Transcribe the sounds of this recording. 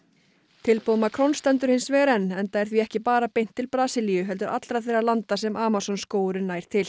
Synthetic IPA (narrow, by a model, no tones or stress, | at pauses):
t̪ʰɪlpoːwmakʰɾɔwnst̪ɛnt̪ʏɾ̥hɪnsvɛːɾɛnːɛnt̪aɛɾ̥θviɛhcɪpaːɾapejn̥t̪ʰːɪlpɾaːsɪlijʏɦɛlt̪ʏɾʔat̪lɾaθejrːalant̪asɛmʔaːmasɔnskoːwɾʏnaːjɾ̥t̪ʰɪl